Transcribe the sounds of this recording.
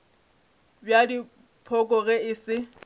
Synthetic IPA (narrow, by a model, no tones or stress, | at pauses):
bjadi | pʰɔkʼɔɣɛɪsɪ